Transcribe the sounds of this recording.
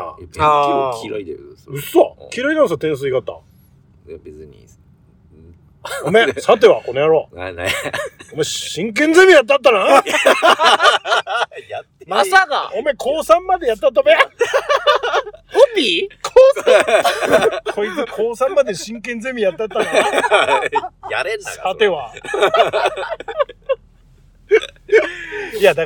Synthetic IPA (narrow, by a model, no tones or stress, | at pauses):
a̰ | kid̪ɯ̟sakʰʲiɾainans̬at̪ẽɰ̃s̬ɨiɡat̪ːã̰ | beɨɲḭ | omesat̪̬ːeβako̞nejaɾo | omeɕĩŋk̬ẽnd͡zemʲijat̪̬ːat̪ːana | j | masaka̰ome̞kʰo̞ːsãmːad̪e̞jat̪ːat̪̬ːame | opʲikʰos | kʰoikʰoːsãmːad̪e̞ɕĩŋk̬ẽnd͡zemʲijat̪ːat̪ːaɾa | jaɾesat̪e̞βa | iad̪a